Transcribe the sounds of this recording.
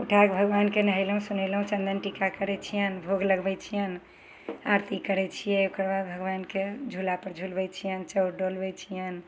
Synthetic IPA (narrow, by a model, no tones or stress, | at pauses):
uʈʰakbʱəɡbankenəɦəɪləɦũsunɛləɦũt͡ʃə̃nd̪ənʈikakəɾɛt͡ʃʰijənbʱoɡləɡbɛt͡ʃʰijən | aɾt̪ikəɾɛt͡ʃʰijɛokəɾbad̪̚bʱəɡʋanked͡ʒʱulapəɾd͡ʒʱulbɛt͡ʃʰijənt͡ʃəwɖolbɛt͡ʃʰijən